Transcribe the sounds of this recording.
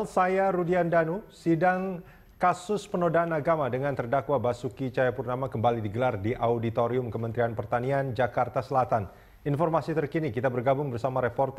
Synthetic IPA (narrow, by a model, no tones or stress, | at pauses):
lsajaɾudiandanusidaŋ | kasʊspənodaːnaɡamadəŋant̪ərdakwabasukit͡ʃajapurnamakəmbalidiɡəlardiʔaudit̪oɾiʊmkəmənt̪ɾianpərt̪aniand͡ʒakart̪asəlat̪an | infɔrmasit̪ərkinikit̪abərɡabʊŋbərsamaɾepɔrt̪